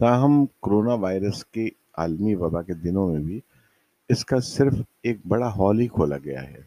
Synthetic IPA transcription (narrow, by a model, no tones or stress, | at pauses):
t̪aːɦəmkoɾoːnaʋaːɪɾəske | aːlmiʋɐbaked̪ɪnõmẽbʱi | ɪskasɪɾf | eːk̚bɐɽaɦɔːlikʰoːla̰ɡɐja̰ɦɛː